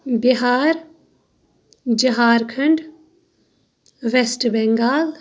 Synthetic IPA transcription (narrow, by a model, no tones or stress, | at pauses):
biɦaːɾ | d͡ʒəɦaːɾkʰɨɳɖ | ʋesʈbɛŋɡaːl